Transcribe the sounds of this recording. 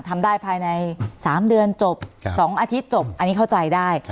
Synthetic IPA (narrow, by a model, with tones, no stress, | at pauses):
t̪ʰa˧mdaː˥˩jpʰaː˧jna˧jsaː˩˦mdɯ˧ənt͡ɕo˨˩p̚sɔː˩˦ŋʔaː˧t̪ʰi˦˥t̪̚t͡ɕo˨˩p̚ʔa˧nːiː˦˥kʰa˥˩wt͡ɕa˧jdaː˥˩j